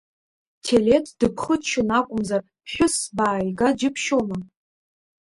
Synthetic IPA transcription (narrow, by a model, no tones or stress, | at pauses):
tʰelʲetʰd̥ɨpʰχətt͡ʃʰʊnakʷʼʊmzar | pʰħʷᶣʊsbaːjɡad͡ʒɪpʰʃoma